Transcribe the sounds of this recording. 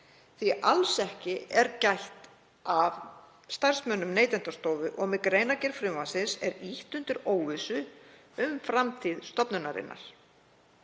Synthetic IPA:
θiʔalsɛhcɪɛɾcajht̪ | av | st̪ar̥smœnʏmneːjt̪ɛnt̪ast̪oːwvʏʔɔɣmɪkɾeːjnacɛɾ̥fɾɪːvansɪnsɛɾiht̪ʏnt̪ɪɾoːwvɪsʏ | ʏmfɾamt̪ʰiðst̪ɔpnʏnaɾɪ̰nːʔa̰ɾ̥

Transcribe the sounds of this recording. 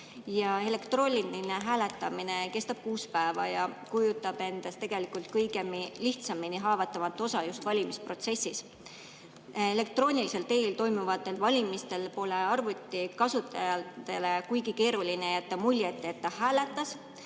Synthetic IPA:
jɑe̞le̞kt̪ro̞ːlʲinineɦæːle̞t̪ːˑɑmine̞ke̞st̪ɑb̥̚kuːspæevɑ̰jɑkujut̪ːˑɑb̥e̞nd̪̥est̪e̞ɡ̥e̞likult̪̚kɤjɡe̞miliht̪sɑminiɦɑːvɑt̪ːˑɑvɑt̪ːˑo̞sɑjust̪vɑlʲimispro̞t̪se̞sːis | e̞le̞k̚t̪ro̞ːnʲilise̞lt̪e̞lt̪o̞jmuvɑt̪ːˑe̞lvɑlʲimist̪e̞lpo̞le̞ɑrvut̪ʲːˑikɑsut̪ːˑɑ̰jɑt̪e̞le̞kujɡike̞ːɾulineet̪ːɑmulʲjet̪ːˑeet̪ːɑhæːle̞t̪ːˑɑs

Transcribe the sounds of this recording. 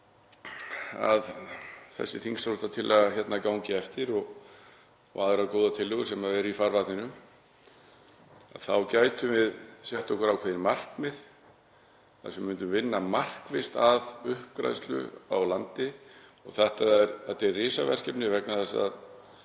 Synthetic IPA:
a̰ðθɛ̰sːɪθiŋsalt̪at̪ʰɪlʔaðçɛt̪nakawŋcɪɛft̪ɪɾɔɣ | ɔ̰aːðʏɾakowðat̪ʰɪlːʏɣʏsɛmaðɛɾifaɾvat̪nɪnʏm | a̰ðθawcaːjt̪ʏvɪðsjɛht̪ɔhkʏɾawkʰɛːðɪnmar̥kmɪð | θa̰sɛmmːʏnt̪ʏvɪnːamar̥kvɪst̪aðʏhpɾa̰jst̪lʏ̰awlant̪ɪɔɣθɛht̪aðɛɾat̪ɛrɪːsavɛr̥cɛpnɪvɛknaθɛsːa̰ð

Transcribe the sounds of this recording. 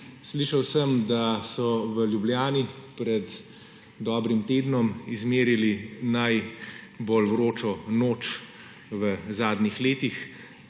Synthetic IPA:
sliːʃɐwsəmd̪asɔʋəljubljaːnipɾɛd̪ː | ɔːbɾimt̪eːd̪nɔmizmeːɾilinaj | bolʋɾoːt͡ʃɔnoːt͡ʃ | ʋəzaːd̪nixleːt̪ix

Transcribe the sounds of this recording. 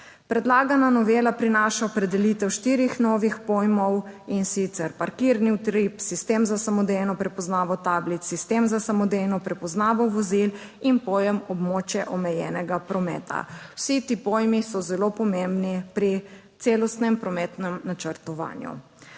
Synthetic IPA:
pɾɛd̪laːɡananɔʋelapɾinaːʃaɔpɾɛd̪ɛlit̪ɛwʃt̪iːɾixnɔʋixpɔjmɔwinsit̪sɛɾpaɾkiɾniwt̪ɾipsist̪eːmzasamɔd̪ejnɔpɾɛpɔznaːʋɔt̪ablit̪sist̪emzasamɔd̪ejnɔpɾɛpɔznaːʋɔʋɔzil | inpɔːjɛmɔbmot͡ʃjɛʔɔmɛjɛ̰ːnɛɡapɾɔmɛ̰ːt̪ʰa̰wsit̪iːpojmisɔzɛlopɔmembnipɾit̪seːlɔst̪nɛmpɾɔmɛːt̪nɛmnat͡ʃəɾt̪ɔʋa̰ːnjṵ

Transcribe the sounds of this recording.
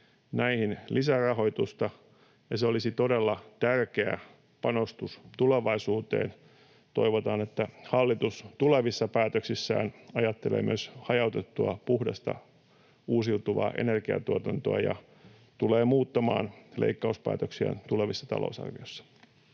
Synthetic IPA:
næihinlʔisærɑɦo̞it̪ust̪ɑ | jɑseolisit̪odelːɑt̪ærkeæ̰ | pɑnost̪ust̪uleʋɑisuːt̪ḛːn | t̪o̞iʋot̪ɑːnet̪ːæhɑlːit̪ust̪uleʋisːɑpæːt̪øksisːæ̰ːnɑjɑt̪ːelḛːmyøshɑjɑut̪et̪ːuɑpuhdɑst̪ɑ̰ | uːsilt̪uʋɑ̰ːʔe̞̰nerɡiɑ̰t̪uot̪ɑnt̪oɑjɑ̰ | t̪uleːmuːt̪ːɑmɑ̰ːnlḛikːɑuspæ̰ːt̪øksiæ̰nt̪uleʋisːɑ̥t̪ɑ̰lo̰usɑ̰rʋijojsːɑ̥

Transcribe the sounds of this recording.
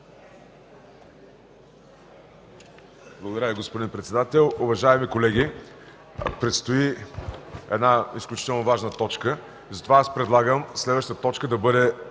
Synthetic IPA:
blˠəɡod̪ɐɾəvʲiɡospod̪inpɾɛt̪sɛd̪at̪ɛlˠʊvɐʒaɛmikolɛɡ̟i | pɾɛt̪st̪oi | ɛ̰d̪naisklʲut͡ʃit̪ɛlˠnovaʒnət̪ɔt͡ʃkə | zɐt̪ovaaspɾɛd̪lˠaɡəmslɛd̪vəʃt̪ət̪ɔt͡ʃkəd̪ɐbɤd̪ɛ

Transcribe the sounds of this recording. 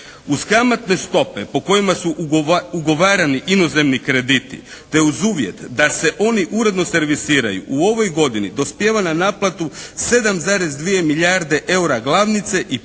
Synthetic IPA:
uskamat̪ne̞st̪o̞pe̞po̞ko̞jimasuuɡo̞ʋaːɾaniʔino̞ze̞mnikɾe̞d̪it̪ḭ | t̪e̞uzuːʋje̞̰t̪d̪ase̞ʔo̞niʔuɾe̞d̪no̞se̞ɾʋisiːɾa̰jṵʔuo̞ʋo̞jɡo̞d̪inid̪o̞spje̞ːʋananaːplˠat̪use̞d̪amzaːɾe̞zd̪ʋije̞miʎaɾd̪e̞ʔe̞uɾaɡlˠaːʋnit̪se̞ʔi

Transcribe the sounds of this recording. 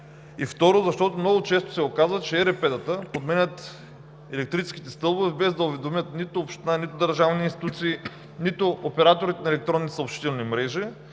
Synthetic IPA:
ift̪ɔɾozɐʃt̪ɔt̪omnɔɡʊt͡ʃɛst̪o̥sɛokazvət͡ʃɛɛɾɛpɛd̪ət̪əpod̪mɛnʲət̪ | ɛlɛk̚t̪ɾit͡ʃɛ̥skʲi̥t̪ɛst̪ɤlˠbovɛbɛzd̪ɐʊvɛd̪omʲət̪nit̪ʊːpʃt̪ɛnanit̪ʊd̪əɾʒavniinst̪i̥t̪ut̪siː | nit̪ʊʔopɛɾat̪oɾit̪ɛnɐɛlɛkt̪ɾɔnːisɐopʃt̪i̥t̪ɛlˠnimɾɛʒi

